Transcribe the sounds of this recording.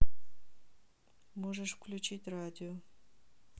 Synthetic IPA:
moʐəʂfklʲut͡ɕitʲradʲɪo

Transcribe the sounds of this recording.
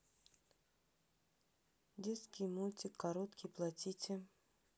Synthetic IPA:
dʲet̪skʲijmulʲtʲɪkːɐɾot̪kʲijplˠɐtʲitʲɪ

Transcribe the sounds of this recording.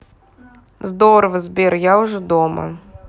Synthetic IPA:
zd̪oɾəvəzʲbʲerjaʊʐɛd̪omə̰

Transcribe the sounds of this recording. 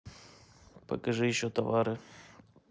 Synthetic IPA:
pɐ̰kɐʐɨjɪɕːot̪ɐvaɾɨ

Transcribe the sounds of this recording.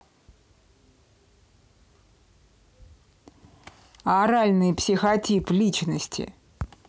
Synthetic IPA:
ɐɾalʲnɨjpsʲɪxɐtʲiplʲit͡ɕnəsʲtʲɪ̰

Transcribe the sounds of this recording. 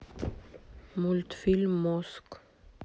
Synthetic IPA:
mult̪fɪlmːɔsk

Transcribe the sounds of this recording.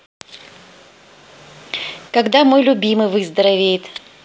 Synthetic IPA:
kɐɡd̪amo̞jlʲʊbʲimɨjvɨzd̪əɾɐvʲejɪt̪

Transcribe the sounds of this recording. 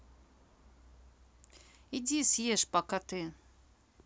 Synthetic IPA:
idʲisjeʂpakat̪ɨ

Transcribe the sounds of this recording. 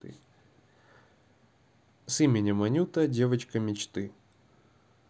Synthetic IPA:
simʲɪnʲɪmɐnʲut̪ədʲe̞vət͡ɕkəmʲɪt͡ɕt̪ɨ

